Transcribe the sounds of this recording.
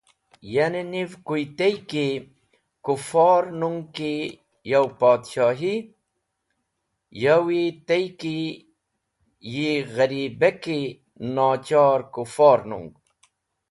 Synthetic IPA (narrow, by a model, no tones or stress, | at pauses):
janenivkuit̪ɐjke | kufɑːɾnuŋɡki | jawpaːd̪ɕaːɦi | jawit̪ɐjki | jiɣɐɾiːbeki | naːt͡ɕaːɾkufaːɾnṵŋɡ